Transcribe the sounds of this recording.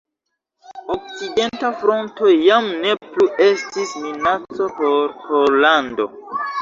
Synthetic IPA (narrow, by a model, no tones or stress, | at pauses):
ok̚t͡side̞ntafɾo̞nto̞jamne̞pluʔe̞stisminat͡so̞poɾholando̞